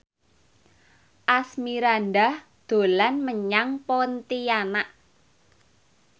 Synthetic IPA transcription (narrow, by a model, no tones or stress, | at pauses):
ʔasmiɾanɖah | d̪̥o̤lanməɲaŋpɔnt̪ianaʔ